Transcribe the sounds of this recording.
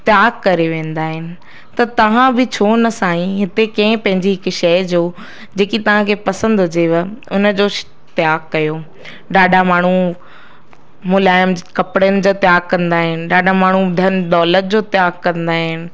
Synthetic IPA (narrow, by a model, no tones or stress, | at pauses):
t̪ɪjaːɡkɐɾeʋẽːn̆d̪aːɦɪnɪ̆ | t̪ɐt̪ɐʋ̤ãbɪt͡ɕʰoːnɐsaːĩɦɪt̪ekɐ̃ɪ̃pɐ̃ɦɪɲd͡ʑiɦɪkʃɐjd͡ʑoː | d͡ʑeːkit̪ɐʋ̤ãkʰepɐsə̃nd̪d͡ʑeːʋəʊnəd͡ʑoː | t̪ɪjaːɡkɐjo | ɖaːɖʱamaːɳ̤u | mʊlaːɪəmkɐpɽənɪ̆d͡ʑoːt̪jaːɡ̚kɐ̃nd̪aːɦɪnɪ̆ɖaːɖʱamaːɳ̤ud̪ʱɐnɗɔːlət̪̚d͡ʑoːt̪ɪjaːɡkɐ̃nd̪aːɦɪnɪ̆